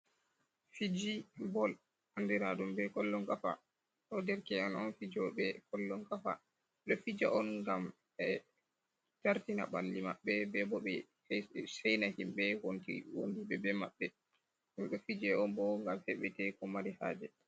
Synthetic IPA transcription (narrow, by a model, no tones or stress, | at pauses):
fid͡ʒibɔl | handɛɾadumbɛkɔlːɔŋkafa̰ | ɗɔdɛɾkɛanɔnfid͡ʒɔbɛkɔlːɔŋkafa̰ | ɗɔfid͡ʒaʔɔnŋɡam | ɛ | taɾtina̰ɓandima̰ɓːɛbɛbɔɓɛ | sɛjnahimbɛwontḭwo̰ndibɛbɛma̰ɓːɛ | humɗɔfid͡ʒɛɔnbɔŋɡamhɛɓɛtɛkɔmaɾiha̰ːd͡ʒɛ